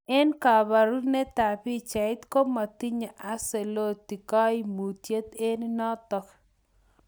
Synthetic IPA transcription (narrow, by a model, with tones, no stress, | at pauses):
ɛ˦nka˨ba˨ɾu˦nɛ˦t̪a˨pi˦t͡ʃa˨ɪ˦t̪ko˦ma˨t̪i˦ɲa˨ʔa˦se˨lo˦t̪i˨ka˦i˦mu˨t̪je˦t̪e˦nnɔ˦t̪ɔ˨k